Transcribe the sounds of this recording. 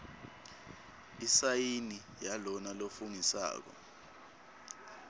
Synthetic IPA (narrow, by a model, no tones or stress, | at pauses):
isajini | jalɔnalofuŋisa̰ːk̬ɔ̰